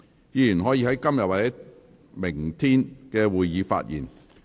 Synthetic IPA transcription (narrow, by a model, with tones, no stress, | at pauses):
jiː˨˧jyː˨˩nɦɔː˨˥jiː˧˥ɦɐ˨˦jkɐ˥mjɐ˨t̚waː˨˩t͡sɛ˨˥ | mɪ˨˩ŋt̪ʰiː˥nkɛː˧wuː˨jjiː˨˧fa̰ː˧t̚jiː˨˩n